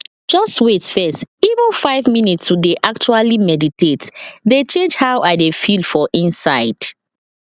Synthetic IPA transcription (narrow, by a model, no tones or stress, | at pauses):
d͡ʒɔstwetfɛstivə̃nfaɪvminitsudeʔak̚t͡ʃualimɛditetdet͡ʃẽnd͡ʒhaʊwʔadefildfɔʔĩnsaɪd̥